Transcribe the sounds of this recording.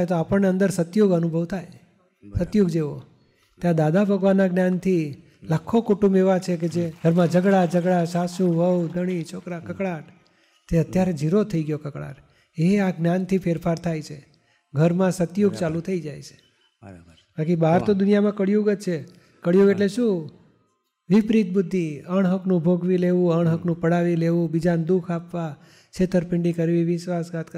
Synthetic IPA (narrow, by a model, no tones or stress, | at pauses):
jt̪̬oapəɳneə̃nd̪əɾsət̪joɡənubʱəʋt̪ʰaj | sət̪joɡd͡ʒeʋo | t̪jãd̪ad̪abʱəɡʋanːaɡnjant̪ʰi | lakʰːokoʈumeʋat͡ʃʰek̬ed͡ʒeɡʱəɾmãd͡ʒəɡɽad͡ʒəɡɽaʃasũʋəwd̪əɽ̃it͡ʃʰokɾakəkɭaʈ | t̪eət̪jaɾed͡ʒʱiɾot̪ʰəiɡjokəkɽa̰ʈ | eaɡnjant̪ʰifʰeɾfaɾt̪ʰajt͡ʃʰe | ɡʱəɾmãsət̪juɡ̚t͡ʃalũt̪ʰəid͡ʒajt͡ʃʰe̥ | bakibaɦɾt̪od̪ʊnijamãkəɽjuɡət̪t͡ʃʰe | kəɽjuɡeʈleʃũ | ʋɪpɾit̪̚bʊd̪ʱːiəɳ̃ɦəknũbʱoɡʋileʋũəɳ̃ɦəknũpəɽaʋileʋũbid͡ʒand̪ukʰapʋa | t͡ʃʰet̪əɾpɪɳɖikəɾʋiʋɪʃʋasɡat̪kə